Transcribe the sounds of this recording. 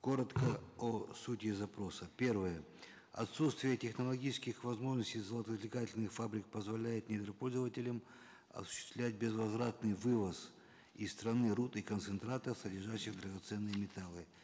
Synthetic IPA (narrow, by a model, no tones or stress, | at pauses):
ko̞ɾət̪kəosutʲɪzɐpɾo̞səpʲe̞rvəjə | ɐ̰t̪sut̪st̪vʲɪjətʲɪxnəlˠɐɡʲit͡ɕɪskʲɪxvɐzmo̞ʐnəsʲtʲɪjzəlˠət̪əzlʲɪkatʲɪlʲnɨxfabɾʲɪk̚pəzvɐlʲæjɪt̪nʲɪd̪ɾəpo̞lʲzəvətʲɪlʲəm | ɐ̰sʊ̥ɕːɪ̥st̪vlʲæt̚ʲbʲɪzvɐzvɾat̪nɨjvɨvəs | ist̪ɾɐnɨɾut̪ɨkənt̪sɨnt̪ɾat̪əfsədʲɪrʐaɕːɪɣd̪ɾəɡɐt̪sɛnːɨjəmʲɪt̪alˠɨ